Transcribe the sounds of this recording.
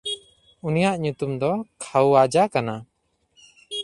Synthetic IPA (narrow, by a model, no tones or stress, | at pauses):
unijaʔɲut̪umd̪ɔkʰawad͡ʒakana